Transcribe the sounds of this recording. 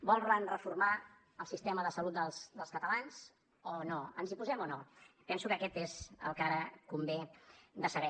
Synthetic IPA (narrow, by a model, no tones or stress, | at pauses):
bɔlˠrənrəfurma | əlˠsist̪ɛməðəsəlut̪̚d̪əlˠsd̪əlˠskət̪əlanz | onoənzipuzɛmɔnopɛnsukəkɛt̪ezə̰lˠkaɾəkumbed̪əsəβɛ